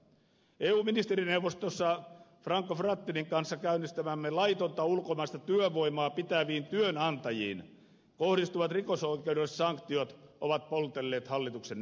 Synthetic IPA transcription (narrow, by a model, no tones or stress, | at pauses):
eːuːminist̪eɾinewʋost̪osːɑfrɑŋkːofrɑt̪ːiniŋkɑnsːɑkæynːˑist̪æmæmːelɑit̪ont̪ɑulkomɑst̪ɑt̪yøʋoimɑːpit̪æʋiːnt̪yønɑnt̪ɑjḭːn | kohdist̪uʋɑt̪rikosoikeudessɑŋkt̪iot̪ʔoʋɑt̪̚polt̪elːeːt̪hɑlːit̪uksen